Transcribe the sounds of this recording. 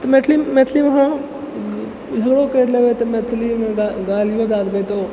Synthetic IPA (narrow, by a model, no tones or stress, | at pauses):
t̪met̪ʰlimɛt̪ʰliʋɐɦã | d͡ʒʱɐɡɽokeːɾleʋet̪ɐmɛt̪ʰlimẽɡaɡaːlijõd̪aːd̪bet̪oː